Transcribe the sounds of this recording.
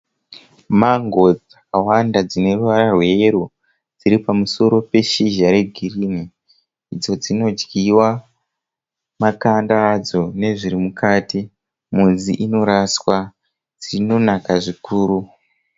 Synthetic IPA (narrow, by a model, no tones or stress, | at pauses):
maŋɡo̞d͡z | awandad͡zine̞ruʋaɾarwe̞ːɾu | d͡ziɾipamuso̞ɾo̞pe̞ʃiʒaɾe̞ɡʱirini | id͡zo̞d͡zino̞d͡ʒɡiwa | makandaːd͡zo̞ne̞ʐiɾimukaːti | muziʔino̞ɾaswa | d͡zino̞nakaʐikuːɾu